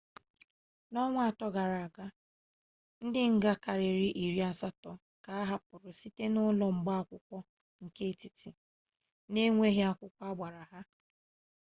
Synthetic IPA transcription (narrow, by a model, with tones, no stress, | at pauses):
nɔ˦ŋʷ˦a˨tɔ˦ɡa˨ɾa˨a˨ɡa˦ | n̩˦dɪ˦ŋ̩˦ɡa˦ka˨ɾɪ˨ɾi˦ʔi˨ɾi˦a˨sa˦tɔ˨ | ka˨a˦ɦa˦pʊ˨ɾʊ˨si˦te˦nʊ˦lɔ˨ŋ͡m̩˨ɡ͡ba˦a˨kʷʊ˦kʷɔ˦ | ŋ̩˨ke˦˨ti˨ti˨ | ne˦ŋʷe˦ɦe˦a˦kʷʊ˦kʷɔ˦a˦ɡ͡ba˨ɾa˨ɦa˦